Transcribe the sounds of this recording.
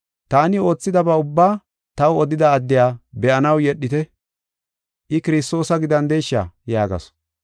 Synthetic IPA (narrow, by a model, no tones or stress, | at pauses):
t̪aːnɪo̞ːt͡sːɪd̪ɐbɐʊbːaː | t̪ɐwɔd̪ɪd̪ɐːd̪ːɪjaːbɛʔɐnɐwjɛɗːɪt̪ɛ | ʔɪkɪɾɪst̪o̞ːsɐɡɪd̪ɐnd̪ɛjʃːa̰jaːɡɐ̰s